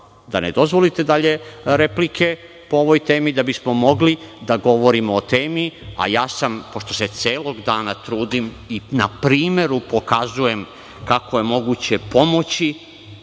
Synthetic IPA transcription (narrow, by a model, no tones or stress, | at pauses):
d̪aned̪o̞zʋo̞lit̪e̞d̪aʎe̞ɾe̞plikʰe̞ | pooʋojt̪e̞ːmid̪abismo̞mo̞ɡlid̪aɡo̞ʋo̞ɾimoːt̪eːmia̰jaːsampo̞ʃt̪o̞se̞t̪seːlo̞ɡd̪aːnat̪ɾuːd̪im | inapɾiːme̞ɾupo̞kazuje̞m | kako̞je̞mo̞ɡut͡ɕe̞po̞mo̞t͡ɕi